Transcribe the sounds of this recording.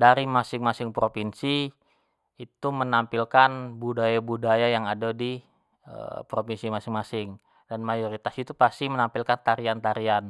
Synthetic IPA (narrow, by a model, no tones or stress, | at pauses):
daɾimasɪŋmasɪŋpɾopinsi | it̪umənampilkanbudajabudajajaŋadadi | ə̰pɾopinsimasɪŋmasɪŋ | danmajoɾit̪asit̪upast̪imənampilkant̪aɾiant̪aɾian